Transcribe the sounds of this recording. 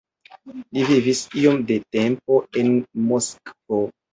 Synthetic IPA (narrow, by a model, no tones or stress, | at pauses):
livivisio̞mde̞tempo̞e̞nmoskvo